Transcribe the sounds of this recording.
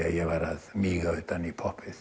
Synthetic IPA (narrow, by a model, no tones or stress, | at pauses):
ɑ̰jɑʋɑrɑsmiːɡoit̪ɑnipʰopʰes